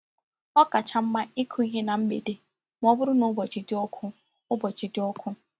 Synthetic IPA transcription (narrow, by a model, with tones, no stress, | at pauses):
ɔ˦ka˨t͡ʃa˨m̩˦ma˦i˦kʰu˦i˦ɦe˦na˨m̩˦ɡ͡bḛ˨de˨ | m˦ɔ˦bʊ˦ɾʊ˦nʊ˦bɔ˨t͡ʃɪ˨dɪ˦ɔ˦kʰʊ˦ | ʊ˦bɔ˨t͡ʃi˨dɪ˦ɔ˦kʰʊ˦